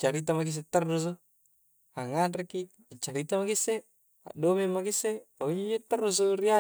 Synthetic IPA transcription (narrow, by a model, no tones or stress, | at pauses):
t͡ʃaɾit̪amak̬is̬et̪ərːus̬o | haŋanreki | t͡ʃaɾit̪amakise | a̰domemakiseauɲid͡ʒet̪ərus̬oria